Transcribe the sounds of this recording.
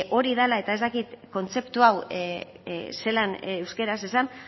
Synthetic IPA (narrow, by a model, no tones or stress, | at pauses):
ʔo̞ɾiðalae̞t̪ae̞zt̪akit̪ko̞nt͡se̞pt̪uaw | se̞lanewskeɾase̞san